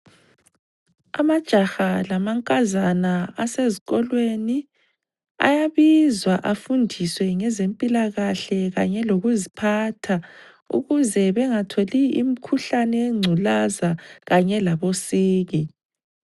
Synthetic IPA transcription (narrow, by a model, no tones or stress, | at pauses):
a̰mad̥ʒ̥ʱaxalamaŋkʼazanaaseziɣɔlweni | a̰jaβizwaʔafundʱiswɛŋɛzempʼilaɣaɬɛɣaɲɛloɣuzipʰatʰa | ṵɣuzɛβɛŋatʰoliim̩kʰuɬanɛŋ͡ǀʱulazaɣaɲɛlaβosiːɣi